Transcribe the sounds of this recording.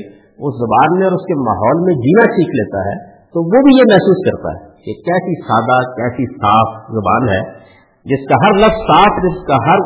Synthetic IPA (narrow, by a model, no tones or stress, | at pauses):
ʊszɐbaːnmẽɔːɾʊskema̰ːɦɔːlmẽd͡ʒiːnasiːkʰleːt̪a̰ɦɛː | t̪oʋobʱijemɛɦsuːskɐɾt̪a̰ɦɛ̰kekɛːsisaːd̪akɛːsisaːfzɐba̰ːnɦɛː | d͡ʒɪskaɦɐɾlɐbzsaːfʰd͡ʒɪskaɦɐɾ